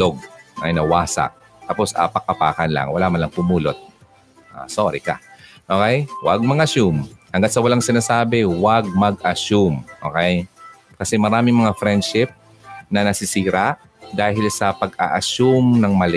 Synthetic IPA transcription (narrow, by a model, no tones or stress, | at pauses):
loɡ̚ɐ̰jnɐwaːsa̰ʔ | t̪aposʔɐ̰pɐkɐpa̰ːkɐnla̰ŋwɐlaːmɐnlɐŋpʊmuːlot̪̚ | ʔa̰soːɾɪkɐ̰ | ʔoːkɛjwa̰ɡ̚mɐɡɐʃumhɐŋɡat̪̚sɐwɐlaŋsɪnaːsaːbɛwaɡ̚mɐɡʔɐʃumʔo̰ːkɛj | kɐsɛmɐɾaːmɪŋmɐŋafɾɛnd̪̚ʃɪp̚ | nɐnɐsɪsiːɾaʔ | d̪aːhɪlsɐpɐɡa̰ʔɐʃumnɐŋmɐlɪ